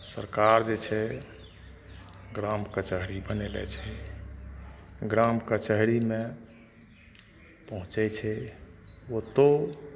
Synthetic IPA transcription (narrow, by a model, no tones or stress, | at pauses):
səɾkaɾd͡ʒet͡ʃʰɛ | ɡɾamkət͡ʃəɦɾibənelɛ̰t͡ʃʰɛ | ɡɾamkət͡ʃəɦɾime | pəɦũt͡ʃɛt͡ʃʰɛ | ot̪o